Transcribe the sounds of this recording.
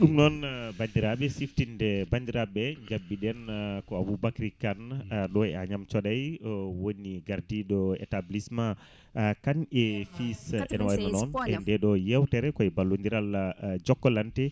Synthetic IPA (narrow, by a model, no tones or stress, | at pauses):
ɗumnɔnbandiɾaɓɛsiftindɛbandiɾaɓɛɲd͡ʒaɓːiɗɛnkɔabubakɾikanɗɔɛaɲamt͡ʃɔɗajwoniɡaɾdiɗɔɛ̰tablisma | kanɛfisɛnwaanɔnɛndɛɗɔjɛwtɛɾɛkɔɛbalːundiɾalad͡ʒɔkːɔlantɛ